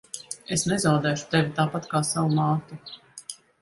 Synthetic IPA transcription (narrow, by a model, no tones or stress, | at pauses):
esnɛzawd̪ɛːʃu̥t̪evʲit̪aːpat̪kaːsavumaːt̪i